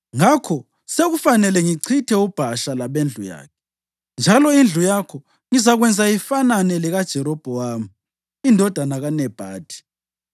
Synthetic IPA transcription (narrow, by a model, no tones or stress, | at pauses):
ŋakʰɔ | seɣufanɛlɛŋiǀʰitʰɛub̥ʱaʃalaβend͡ɮʱṵja̰ːkʰɛ̥ | nd͡ʒʱalɔind͡ɮʱujakʰɔ | ŋizaɣwɛnd͡zʱaifananɛlɛɣad̥ʒ̥ʱɛɾɔb̥ʱɔwamu | indʱɔd̥ʱanaɣanɛb̥ʱaːd̥ʱi̥